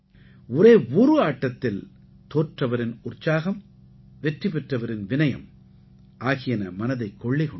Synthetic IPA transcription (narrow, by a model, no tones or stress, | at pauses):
ʊɾeːuːɾɯaːʈːɐt̪ːɪl | t̪oːrʈrɐʋɐɾɪnʊrt͡ʃːaːɣɐm | ʋɛʈripɛʈrɐʋɐɾɪnʋɪnɐjɐ̰m | ʔaːɣɪjɐnɐmɐnɐðɐɪkːɔɭːɪkɔ